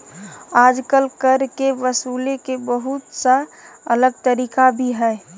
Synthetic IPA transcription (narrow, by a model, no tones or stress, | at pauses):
aːd͡ʒkəlkəɾkeʋəsuːlekebəɦʊt̪saələɡ̚t̪əɾiːkabʱiɦɛː